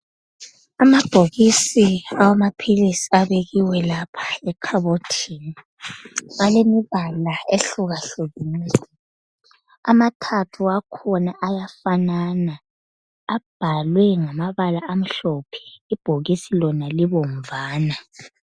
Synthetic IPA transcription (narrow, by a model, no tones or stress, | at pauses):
amab̥ʱoɣisiawamapʰilisi̥aβeɣiwɛlapʰḁɛkʰaβotʰiːni | ɣalemiβalaeɬuɣaɬuɣinsɛ | a̰matʰatʰuakʰɔnaʔajafanana | ab̥ʱalwɛŋamaβalaʔam̩ɬɔpʰɛ̥ib̥ʱoɣisilɔnaliβoɱvaːna